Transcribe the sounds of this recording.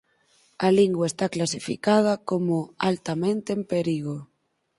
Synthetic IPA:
aliŋɡwaest̪aklasifḭkað̞akomoalt̪amẽnt̪eempeɾiɣ̞o

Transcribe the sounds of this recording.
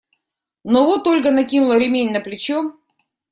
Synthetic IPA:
novot̪olʲɡənɐkʲinʊlˠəɾʲɪmʲenʲnəplʲɪt͡ɕo

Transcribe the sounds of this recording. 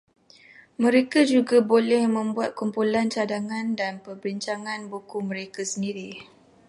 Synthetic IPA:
mə̃ɾekad͡ʒuɡabolɛhmə̃mbuat̪̚kumpulant͡ʃadaŋãndanpərbiɲt͡ʃaŋãnbukumə̃ɾekasəndiɾi

